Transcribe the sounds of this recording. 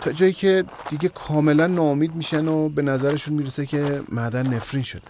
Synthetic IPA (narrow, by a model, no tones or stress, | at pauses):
t̪ʰɒːd͡ʒɒːjiːcʰe̞d̪̥iɟekʰɒːme̞lænːɒːomiːd̪miːʃænobe̞næzæɾeʃunmiːɾesecʰe̞mæɾd̪ænːefɾinʃod̪e̥